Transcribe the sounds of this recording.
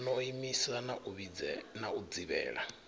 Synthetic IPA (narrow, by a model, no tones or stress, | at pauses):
nɔimisanaʔuβid͡zɛnaud͡ziβɛ̰ːɺa̰